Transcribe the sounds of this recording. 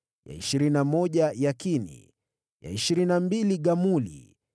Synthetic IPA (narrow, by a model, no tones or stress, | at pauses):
ja̰iʃiɾinamɔʄajakinḭ | ja̰iʃiɾinambiliɠamulḭ